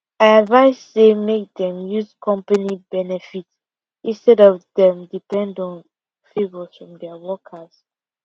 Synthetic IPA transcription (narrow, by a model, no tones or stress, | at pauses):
aɪədvaɪsːemek̚dɛ̃mjuzkʰɔ̃mpanibɛnɛfit | ĩnstɛdɔvðɛ̃mdipɛ̃ndɔ̃n | fevəsfɹɔ̃mdɛəwɔkʰəs